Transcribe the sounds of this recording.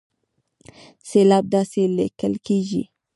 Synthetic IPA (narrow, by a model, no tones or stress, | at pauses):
selɑb̚d̪ɑselḛkəlkeʒḭ